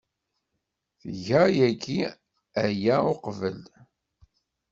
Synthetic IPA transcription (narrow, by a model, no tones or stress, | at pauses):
θəʝæjæɡi | æjæʊqvəl